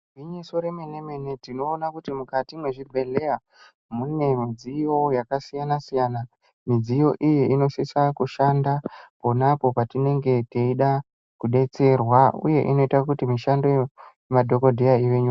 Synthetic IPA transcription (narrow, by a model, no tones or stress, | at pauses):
viɲiso̞ɾemeneme̞netino̞ːnakutimukatimwe̞ʐibʱe̞le̞a | mune̞mid͡zijo̞jakasijanasijana | mid͡zijo̞ʔijeino̞sisakuʃandapo̞napo̞patine̞ŋɡe̞teiɗa | kuɗe̞t͡se̞rwaṵje̞ʔino̞itakutimiʃando | emadʱo̞ko̞dʱejaiʋeɲua